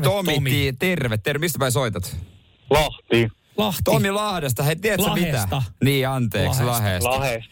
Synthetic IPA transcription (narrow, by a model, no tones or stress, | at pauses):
t̪omit̪ːiːt̪erʋet̪ːermist̪æpæisoit̪ɑt̪ | lɑht̪i | lɑht̪t̪omilɑhdes̬t̪ɑhet̪iæælsemit̪æniːɑnt̪eːkslɑheɑhes